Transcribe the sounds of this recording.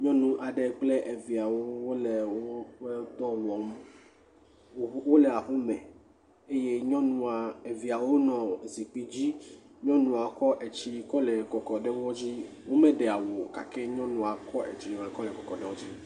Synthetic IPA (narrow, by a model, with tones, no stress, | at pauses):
ɲɔ̃˦nũ˦ʔa˨ɖe˨k͡plɛ˦ʔe˨vi˨a˨wo˦wo˦le˨woo˦ɛ˦t̪ɔ˦wɔ˨m˦ | wo˦lɛ˨a˨ɸu˦mɛ̃˨ | e˦je˦ɲɔ̃˦nũ˦a˨e˨vi˨a˨wo˦nɔ̃˨zi˨k͡pi˦d͡ʑi˦ | ɲɔ̃˦nũ˦˨a˨kɔ˦ʔɛ˨t͡ɕi˦kɔ˦lɛ˨kɔ˨kɔ˨ɖe˦wɔ˦d͡ʑi˦ | wo˦mẽ˦ɖe˨a˨wo˨ka̰˨kɛ˦ɲɔ̃˦nũ˦a˨kɔ˦ʔḛ˨t͡ɕi˨ɛ˨kɔ˦lɛ˨kɔ˨kɔ˨ɖɛ˦wɔ˦d͡ʑi˦